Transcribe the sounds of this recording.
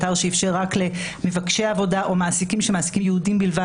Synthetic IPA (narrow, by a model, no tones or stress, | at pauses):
taʁʃeifʃeʁːakle̞ | me̞vakʃejavo̞daʔo̞maːsikimʃemaːsi̥kijeudimbilva